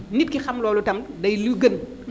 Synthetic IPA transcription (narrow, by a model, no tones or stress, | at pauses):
nip̚kixɐmlɔːlutɐmdɐjluɡən